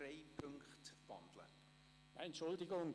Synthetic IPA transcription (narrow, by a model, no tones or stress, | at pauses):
reɪpʰʏŋkχtvɑ̰ndlə̰ | jaɛntʃʊldɪɡʊŋ